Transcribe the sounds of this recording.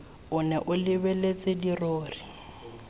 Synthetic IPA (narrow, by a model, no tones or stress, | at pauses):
ʊnɛʔʊlɪbɛlet͡sʼɪdiroːri